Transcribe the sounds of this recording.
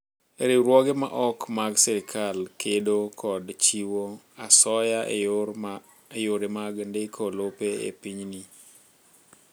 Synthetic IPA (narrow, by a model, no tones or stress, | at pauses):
eɾɪɾwɔɡema̰ʔɔkmaɡsɛɾɪkʰalkedokʰɔdt͡ʃiwo | asɔja | ejoɾemaɡndɪkʰolopeḛpiɲni